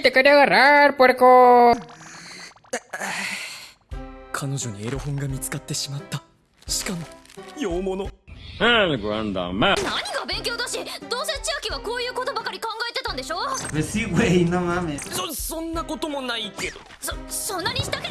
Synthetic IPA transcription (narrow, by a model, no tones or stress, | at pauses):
t̪ːekaɾʲiaɡaɾaɾpoɾeko | kʰano̞ʑo̞ɲ̟ieɾohõŋɡamʲit͡sɨ̥kat̪ːe̞ɕimat̪ːa | ɕi̥kamojoːmonohaɡɾã̰nd̪ã̰manaɲ̟iɡabẽ̞ŋkʲo̞ːd̪aɕed̪o̞ːsẽt͡ɕiakʲiβako̞ːjɯ̟ːko̞t̪o̞bakaɾʲikãŋɡaet̪e̞t̪ãnd̪e̞ɕo̞ːbesiɡoeinamamesosõnːako̞t̪o̞mo̞naiked̪o | sosõnːaɲ̟iɕi̥t̪ake